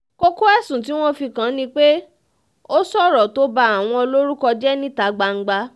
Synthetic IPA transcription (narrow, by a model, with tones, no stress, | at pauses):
ko˦ko˦ɛ˦˨sũ˨t̬i˨˦w̃ɔ̃˦fi˧kã˨˦nĩ˧k͡pe˦ | o˦sɔ˦˨ɾɔ˨to˦ba˧a˨w̃ɔ̃˧o˧lo˦ɾu˦kɔ˧d͡ʒɛ˦nĩ˦ta˨˦ɡ͡ba˧ŋ̩˦ɡ͡ba˧